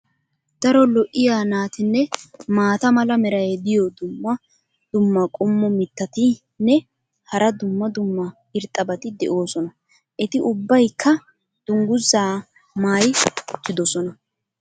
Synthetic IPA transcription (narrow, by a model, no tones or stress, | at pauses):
d̪̥ɐɾɔlɔʔɪjaːnaːt̪ɪnːɛmaːt̪ɐmɐlɐmɛɾɐjɛd̪ɪjɔd̪ʊmːɐ | d̪̥ʊmːɐkʼʊmːɔmɪt̪ːɐt̪ɪ | nːɛ | hɐɾɐd̪ʊmːɐd̪ʊmːɐ | ɪɾt̪ʼːɐbɐt̪ɪd̪ɛʔo̞ːsɔnɐ | ʔɛt̪ɪʔʊbːɐjkʰːɐ | d̪̥ʊŋɡʊzːaː | maːjʊt̪ːɪd̪ɔsɔnɐ